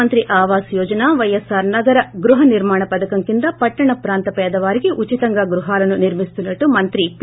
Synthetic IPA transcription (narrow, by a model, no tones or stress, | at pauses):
ɐnt̪ɾiʔaːʋaːsjɔːd͡ʒɐnaːʋɐjɐsaːɾnɐɡɐɾɐɡɾuɦɐniɾmaːɳɐpɐd̪ɐkɐmkind̪ɐpɐʈːɐɳɐpɾaːnt̪ɐpɛːd̪ɐʋaːɾiɡiʔut͡ʃit̪ɐŋɡaɡɾuɦaːlɐnuniɾmist̪unːɐʈːumɐnt̪ɾip